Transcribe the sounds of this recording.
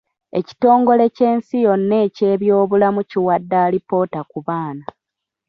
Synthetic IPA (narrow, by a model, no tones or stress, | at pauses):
e̞ci̥to̞ːŋɡo̞le̞ce̞ːnsijonːe̞ːce̞ːβjo̞ːβulamuciwadːaːlipo̞ːtakuβaːna